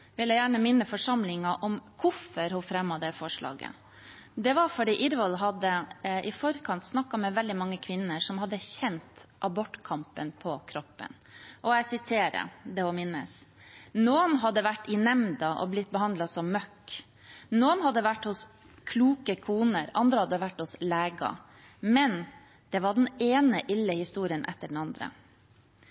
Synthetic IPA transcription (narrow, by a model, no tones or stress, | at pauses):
ʋɪljæjæːɳəmɪnːəfɔʂɑmlɪŋɑʔɔmkʰʊfːəɾhʊfɾɛmːɑd̪ɛfɔʂɭɑ̰ːɡə̰ | d̪ɛʋɑɾfɔɖiːʔɪɾʋɔlɦɑd̪əʔɪfɔɾkʰɑnt̪snɑkːɑmɛʋɛld̪ɪmɑŋːəkʰʋɪnːəʂɔmhɑd̪ːəçɛnt̪ʔɑbɔʈːkʰɑmpənpʰɔkʰɾɔpːə̰n | ʔɔæɪsɪt̪ʰeːɾə̰d̪ɛɔmɪnːə̰snuːənɦɑd̪ːəʋæʈːɪnɛmd̪ɑʔɔ̰blɪt̪̚ːbəhɑnd̪lɑsɔmːœkː | nuːənhɑd̪ːəʋæʈːhʊs | kʰluːkəkʰuːnəɾɑnd̪ɾəhɑd̪ːəʋæʈːhʊsleːɡɑ̰ | mɛn | d̪̥ɛʋɑɖɛneːnəʔɪlːəhɪst̪uːɾɪənʔɛ̰t̪ːəɖn̩ɑnd̪ɾə̰